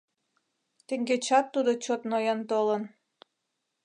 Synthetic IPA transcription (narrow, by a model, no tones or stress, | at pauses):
t̪eŋɡet͡ɕɑt̪ːud̪ot͡ɕot̪nojɑnt̪olən